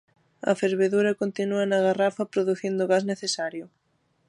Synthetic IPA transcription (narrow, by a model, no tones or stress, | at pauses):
ɐ̰feɾβeðuɾɐkont̪inuɐnɐɣarafɐpɾoðuθind̪ʊɣasneθesaɾjʊ